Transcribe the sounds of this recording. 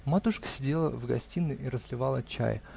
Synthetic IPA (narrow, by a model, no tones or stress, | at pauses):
mat̪uʂkə̥sʲɪdʲelˠəvɡɐsʲtʲinɨʔiɾəslʲɪvɑlˠət͡ɕa̰j